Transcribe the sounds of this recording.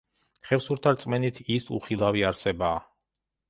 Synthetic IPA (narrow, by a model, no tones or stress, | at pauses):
χɛfsuɾt̪ʰaɾt̪sʼmɛnit̪ʰisṵχilˠaviaɾsɛbaː